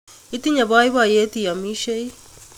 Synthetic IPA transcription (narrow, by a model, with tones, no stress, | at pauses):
i˦t̪i˦ɲa˨βa˦i˦βa˨je˦t̪i˨ja˨mi˦ʃe˦i˦